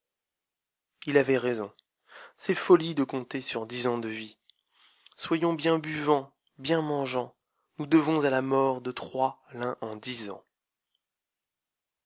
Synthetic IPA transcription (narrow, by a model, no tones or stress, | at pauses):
ilavɛʁezɔ̰̃ | sɛfɔlid̪əkɔ̃t̪esyʁd̪izɑ̃d̪əvi | swajɔ̃bjɛ̃byvɑ̃ | bjɛ̃mɑ̃ʒɑ̃ | nud̪əvɔ̃zalamɔʁd̪ət̪χwalɛ̃ʔɑ̃d̪izɑ̰̃